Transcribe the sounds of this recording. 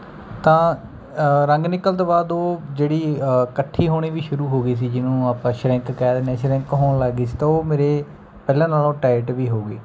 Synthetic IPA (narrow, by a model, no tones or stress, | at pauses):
t̪ãː | ɾəŋɡnɪkəlt̪õːbaːd̪oːd͡ʒeːɽiːkəʈʰːiːɦoːɽ̃iːʋiːʃʊɾuːɦoːɡiːs̬iːd͡ʒɪnũːaːpãːʃɾɛ̃ŋkkɛːd̪eːnẽːʃɾɛ̃ŋkɦoːnlaːɡiːst̪ãːoːmeːɾeː | pɛːlãːnaːlõːʈaːɪʈʋiːɦoːɡiː